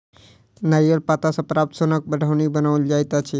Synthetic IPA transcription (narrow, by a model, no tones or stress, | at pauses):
najəlpaːt̪asapɾaːp̚t̪sonək̚bəɖʱaʋnibənaʋəld͡ʒaːjt̪at͡ʃʰe